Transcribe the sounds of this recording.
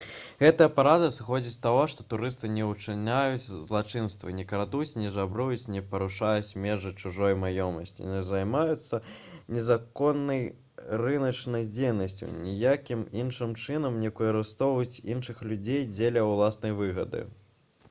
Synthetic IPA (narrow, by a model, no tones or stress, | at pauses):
ɣɛt̪ɐjɐpaɾad̪ɐsɨxɔd͡zʲist̪aɣɔʂt̪ɔt̪uɾɨst̪ɨnʲɛut͡ʂɨnʲajut͡sʲzlˠat͡ʂɨnst̪vɐ̰nʲɛkɾad̪ut͡sʲnʲɛzabɾujut͡sʲnʲɛpɐɾuʂajut͡sʲmʲɛʐɨjt͡ʂuʐɔjmajɔmɐsʲt͡sʲḭnɛzajmajut̪sːɐ | nʲɛzakɔnːɐj | rɨnɐt͡ʂnɐjd͡zʲejnɐsʲt͡sʲṵnʲijakʲiminʂɨmt͡ʂɨnɐmnʲɛkɔjɐɾɨst̪ɔwɐjut͡sʲinʂɨxlʲud͡zʲejd͡zʲelʲɛwlˠasnɐjvɨɣɐd̪ɨ̰